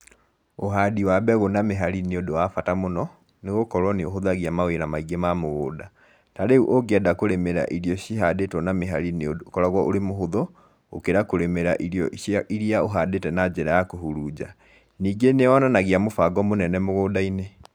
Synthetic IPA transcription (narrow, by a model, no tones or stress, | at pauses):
oɦadiwaːbɛɣonameɦaɾineodowafatamonɔ | neɣokɔɾwɔneoɦoðaɣiamaweɾamaiɡemamoɣoːda | taɾeuʔoɡeɛdakoɾemeɾa̰ʔiɾijɔɕiɦadetwɔnameɦa̰ɾinekɔɾaɣwɔʔoɾemoɦoðɔ | o̰keɾakoɾemeɾa̰ʔiɾiɔʔiɾiaoɦadetɛnad͡ʒɛɾajakoɦuɾud͡ʑa̰ | niːɡeneɔnanaɣiamofaɡɔmonɛnɛmoɣoːdaine